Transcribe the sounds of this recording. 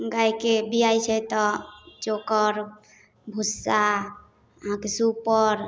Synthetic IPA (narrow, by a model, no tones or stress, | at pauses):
ɡajkebijajt͡ʃʰɛt̪ɔd͡ʒokəɾ | bʱusːa | əɦãkesupəɾ